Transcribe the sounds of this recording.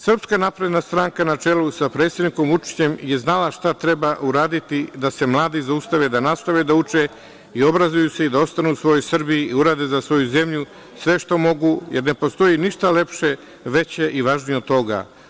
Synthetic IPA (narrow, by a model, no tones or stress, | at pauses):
sr̩pskanapɾed̪nast̪ɾaːŋkanat͡ʃe̞lusapɾet̪sjed̪niko̞mvut͡ʃi̥t͡ɕe̞mje̞znalaʃt̪at̪ɾe̞baʔuɾaːd̪it̪id̪ase̞mlˠaːd̪izaust̪aʋed̪anast̪aʋed̪aut͡ʃe | io̞bɾazujuseid̪ao̞st̪anuusʋo̞jo̞jsr̩biiiuɾaːd̪e̞zasʋo̞juze̞mʎu | sʋe̞ʃt̪o̞mo̞ɡuje̞ɾne̞po̞st̪o̞jiniʃt̪ale̞pʃe̞ | ʋe̞t͡ɕeʔiʋaːʒnijeo̞d̪t̪o̞ɡa̰